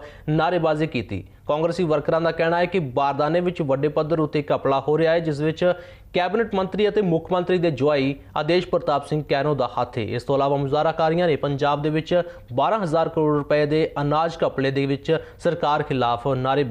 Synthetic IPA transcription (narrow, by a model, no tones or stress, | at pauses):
naːɾeːbaːziːkiːt̪ḭː | kãːŋɡɾəsiːʋəɾkɾãːd̪aːkɛːɽ̃aːɛːkɪbaːɾd̪aːneːʋɪt͡ʃʋəɖeːpəd̪əɾʊt̪ːeːkəpɭaːɦoːɾɪaːeːd͡ʒɪsʋɪt͡ʃ | kɛːbɪnəʈmə̃nt̪ɾiːət̪eːmʊkʰmə̃nt̪ɾiːd̪eːd͡ʒʊaːiː | əd̪eːʃpəɾət̪aːbsɪ̃ŋɡkɛːnoːd̪aːhət̪ʰːḛːʔɪst̪oːəlaːʋaːmʊzaːɾaːkaːɾijãːneːpəɲd͡ʒaːb̚d̪eːʋɪt͡ʃ | baːɾãːɦəzaːɾkəɾoːɖɾʊpəeːd̪eːənaːd͡ʒkəpɽeːd̪eːʋɪt͡ʃsəɾkaːɾkʰɪlaːpʰnaːɾeːb